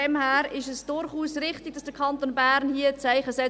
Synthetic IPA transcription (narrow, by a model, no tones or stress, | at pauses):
ɛmhæːɾɪʃəsd̥ʊɾχuːsrɪχtɪɡ̚d̥ɑsd̥əkʰɑnt̪oːnbæːɾnhiːət͡sæɪχəsɛ